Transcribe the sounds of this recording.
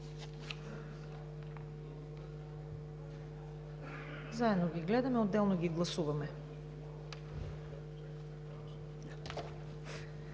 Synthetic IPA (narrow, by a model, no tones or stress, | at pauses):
zaɛd̪noɡʲiɡlɛd̪amɛod̪ːɛlˠnoɡiɡlˠɐsuvamɛ